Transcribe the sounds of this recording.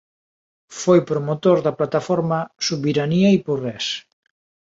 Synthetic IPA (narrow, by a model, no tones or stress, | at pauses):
fojpɾomot̪oɾðɐplat̪afɔɾmɐsuβiɾaniɐiporɛs